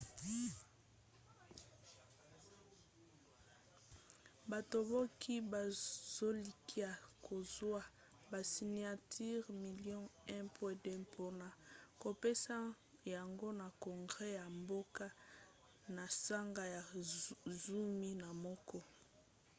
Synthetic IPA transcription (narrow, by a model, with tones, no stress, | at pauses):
ba˨to˨bɔ˦kʰi˦ba˨z̥o˦li˨ki˦a˨ko˨zwa˦ | ba˨si˨ni˨a˨tʰi˦ʁmi˨ljɔ̃˦ɛ̃˦pʰwɛ˦dɛ̃˦pʰo˦na˨ko˨pe˦sa˦ | ja˨ŋɡo˦na˨kɔ˨ŋɡʁɛ˦ja˨mbo˦ka˦ | na˨sa˦ŋɡa˦ja˨ | zu˦mi˦na˨mɔ˦kɔ˦